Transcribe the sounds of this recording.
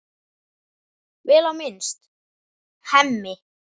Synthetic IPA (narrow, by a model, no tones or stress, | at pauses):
vɛːlawmɪnst̪ | hɛmːɪ